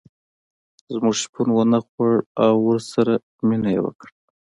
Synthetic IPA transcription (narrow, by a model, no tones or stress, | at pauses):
zmuʃpʰunwənaxwaɽawːəɾsaɾa | minajḛwə̰kɽ